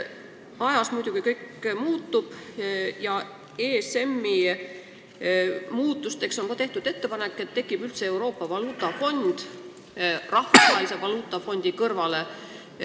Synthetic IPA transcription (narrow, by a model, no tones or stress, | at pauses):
ɑjɑsmujd̪̥uɡ̥ikɤjkmuːt̪ːub̥jɑ | ese̞mːi | muːt̪ːˑust̪e̞ksonkɑt̪e̞ht̪ud̪̥e̞t̪ːe̞pɑne̞kːˑe̞t̪ːe̞kːˑib̥ylt̪seewɾo̞ːpːˑɑvɑluːt̪ːˑɑfo̞nʲd̪̥ | rɑhfɑsɑjsevɑluːt̪ːˑɑfo̞nʲd̪̥ikɤrvɑle̞